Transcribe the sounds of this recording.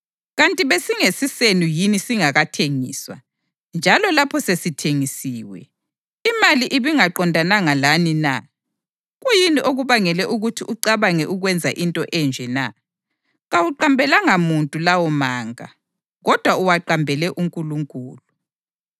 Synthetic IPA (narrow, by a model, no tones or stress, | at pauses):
ɣantʼiβesiŋesisenujinisiŋaɣatʰeŋiːswa | nd͡ʒʱalɔlapʰɔsesitʰeŋisiːwɛ̰ | imaliʔiβiŋaǃɔndʱanaŋalanina̰ | ɣujiniʔoɣuβaŋɛlɛʔuɣutʰiʔuǃaβaŋɛʔuɣwɛnd͡zʱaʔintʼɔʔɛnd͡ʒʱɛna̰ | ɣawuǃambʱɛlaŋamuntʼulawɔmaːŋa̰ | ɣɔd̥ʱwauwaǃambʱɛlɛʔuŋkʼuluŋkʼuːlu